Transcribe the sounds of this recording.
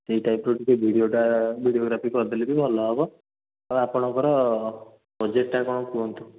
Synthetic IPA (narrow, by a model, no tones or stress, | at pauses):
t̪eɦiʈajpɾoʈikebʱiɽioʈabʱiɽioɡɾapʰikɔd̪elibibʱɔlɔːbɔ | aapɔɽ̃ɔkɔɾɔ | bɔd͡ʒeʈːakɔɽ̃ɔkuɔnt̪u